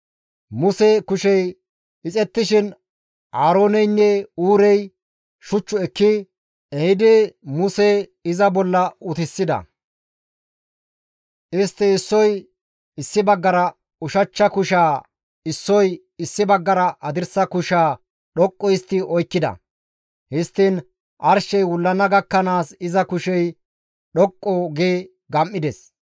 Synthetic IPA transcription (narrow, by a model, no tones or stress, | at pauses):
mʊsɛkʊʃɛj | ɪt͡sʼɛt̪ːɪʃɪn | haːɾo̞ːnɛjnːɛuːɾɛj | ʃʊt͡ʃːʊɛkːɪ | ɛhɪd̪ɪmʊseɪzɐbɔlːɐʊt̪ɪsːɪd̪ɐ̰ | ʔɪst̪ːɪɪsːɔj | ɪsːɪbɐɡːɐɾɐ | ʊʃɐt͡ʃːɐkʊʃaː | ɪsːɔj | ɪsːɪbɐɡːɐɾɐʔɐd̪ɪɾsɐkʊʃaː | ɗɔkʼːɔjɪst̪ːɪɔjkːɪd̪ɐ̰ | hɪst̪ːɪn | ʔɐɾʃɛjwʊlːɐnɐɡɐkːɐnaːsɪzɐkʊʃɛj | ɗɔkʼːɔɡeː | ɡɐmːɪd̪ɛs